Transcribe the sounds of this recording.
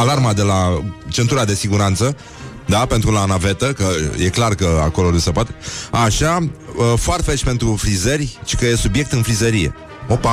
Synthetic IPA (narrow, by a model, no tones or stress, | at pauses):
alarmad̪e̞lat͡ʃe̞nt̪uɾad̪e̞siɡuɾant̪sə | d̪ape̞nt̪ɾulanave̞t̪əkəje̞klarkəa̰ko̞lonusepoat̪eaʃafoart̪fet͡ʃʲpe̞nt̪ɾufɾizərʲt͡ʃi̥kəjesubje̞k̚t̪ɨnfɾizəɾije̞̰ | o̞pa